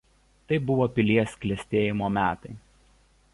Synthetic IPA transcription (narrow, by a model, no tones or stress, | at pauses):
t̪ɐɪbʊʋoːpʲɪlʲiɛsklʲɛsʲt̪ʲeːjɪmoːmʲæːt̪ɐɪ